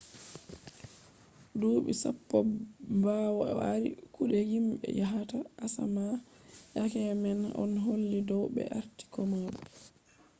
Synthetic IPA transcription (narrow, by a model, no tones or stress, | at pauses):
duːɓisa̰pːɔbaːwɔaɾḭkuɗɛhimɓɛ̰jaɦataʔasa̰ma | jakɛmɛnʔɔ̰nɦolːidɔwɓɛ̰ʔaɾti̥kɔmaɗɛ